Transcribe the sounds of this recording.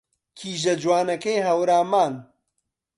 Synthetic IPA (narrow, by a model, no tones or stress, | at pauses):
kʰiːʒɐd͡ʒwaːnɐkejɦɐwɾaːmaːn